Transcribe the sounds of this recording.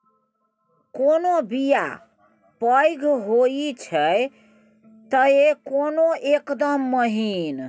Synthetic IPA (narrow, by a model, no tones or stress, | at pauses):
konobija̰ | pəjɡʱɦoit͡ʃʰəj | t̪əekonoekd̪əmːəɦin